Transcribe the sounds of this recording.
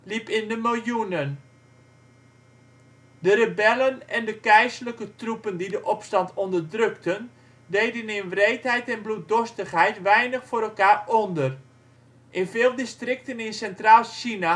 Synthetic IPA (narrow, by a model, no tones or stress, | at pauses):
lipɪndəmɪlˠjunən | dəɾəbɛlənɛndəkɛjsləkətrupəndidəʔɔpstɑntɔndərdrøktən | dejdənɪnʋrejtɦɛjtɛnblut̚dɔstəχɦɛjtʋɛjnəχfʊːɾɛlˠkaːrɔndər | ʔɪnvɪːlˠdistrɪk̚tənɪnsɛntraːlˠʃina